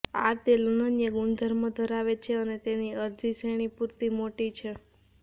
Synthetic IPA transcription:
at̪elunənjəɡuɳd̪ʱəɾməd̪ʱəɾaʋet͡ʃʰeənet̪eniəɾd̪ʱiseɽ̃ipuɾt̪imoʈit͡ʃʰe

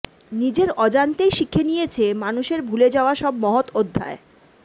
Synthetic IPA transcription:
nid͡ʑeɾɔd͡ʑant̪ejʃikʰːenijet͡ɕʰemanuʃeɾbʱuled͡ʑaoaʃɔbmɔɦot̪od̪ʱːa̰e

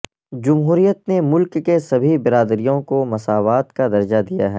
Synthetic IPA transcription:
d͡ʒɐmɦuːɾijət̪nemʊlkːesɐbʱibɪɾaːd̪ɾijõkomɐsaːʋaːt̪kad̪ɐɾd͡ʒad̪ija̰ɦɛː

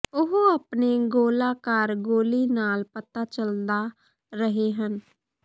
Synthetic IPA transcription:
ʊɦoəpneːɡoːlaːkəɾɡoːliːnaːlpət̪aːt͡ʃəld̪aː | ɾəɦeːɦən

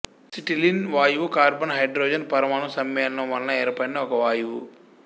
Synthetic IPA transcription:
siʈilinʋaːjuʋukaːɾbɐnɦɐjɖɾoːd͡ʒɐnpɐɾɐmaːɳɐmsɐmːjɐnnɐmʋɐlnɐɛːɾpɐɽiniɔkɐʋaːjuʋu

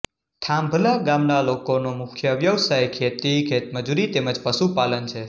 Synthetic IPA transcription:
t̪ʰambʱəlaɡamnalokonomʊkʰjəʋjəʋsajkʰet̪ikʰet̪məd͡ʒuɾit̪eməd͡ʒpəʃupalənt͡ʃʰe

